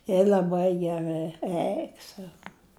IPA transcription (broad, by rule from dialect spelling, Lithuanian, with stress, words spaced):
jɛ lʲɐˈbɐɪ ɡʲɛˈrɨ ˈɛɪk sɐʊ